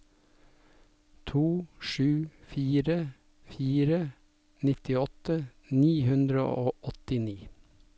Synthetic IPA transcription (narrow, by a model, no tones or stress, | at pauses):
t̪ʰuːʃʉːfiːɾə | fiːɾə | nɪt̪ɪɔt̪əniːhʉnd̪ɾə̰ʔoːʔɔt̪ɪniː